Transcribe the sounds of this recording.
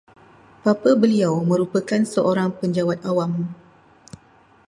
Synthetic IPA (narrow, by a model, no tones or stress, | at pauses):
papəbəliawmə̃ɾupəkansəʔoɾaŋpəɲd͡ʒawat̪̚awam